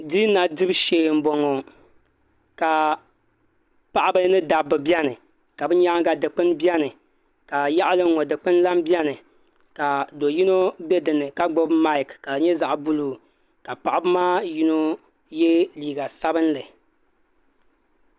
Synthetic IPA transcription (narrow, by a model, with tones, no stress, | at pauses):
di˦na˨dɨ˦bʃeː˨m̩˨bo˨ŋo˨ | ka˨ | pa˨ʔa˦bɨ˦nɨ˦da˨bːɨ˨bjɛ˦nɨ˨ | ka˨bɨ˦ɲa˦ŋɡa˨dɨ˨k͡pɨ˦nbi˦ɛ˦nɨ˨ | ka˨ja˦ʔa˦lɨ˦ŋ˦ŋo˨dɨ˨k͡pɨ˦nla˦mbjɛ˦nɨ˨ | ka˨do˨ji˦no˦bɛ˦dɨ˨nɨ˨ka˦ɡ͡bo˦bma˦ɪ˨kka˨ɲɛ˦za˨ʔbu˦lu˨ | ka˨pa˨ʔa˦bɨ˦maː˦ji˦no˦ | jɛ˦liː˨ɡa˨sa˦bɨ˦n˦lɨ˨